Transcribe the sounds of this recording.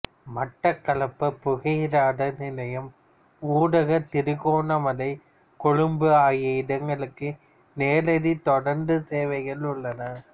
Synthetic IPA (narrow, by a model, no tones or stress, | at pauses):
mɐʈːɐkːɐɭɐpːɐpːʊɣɐjɾaːɽɐnɪlɐjɐm | uːɽɐɣɐt̪ɪɾɯɣoːnɐmɐlɐɪ | kɔɻɯmbɯaːjɐɪɽɐŋɡɐɭɯkːɯ | neːlɐðit̪ɔɽɐɾnd̪ɯseːʋɐɪɣɐɭʊɭːɐnɐ